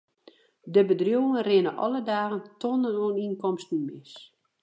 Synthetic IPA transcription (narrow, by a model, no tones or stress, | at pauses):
dəbədrjuːənrɪnəʔɔ̰lədaːɣəntʰonənoəninkɔmstnymɪs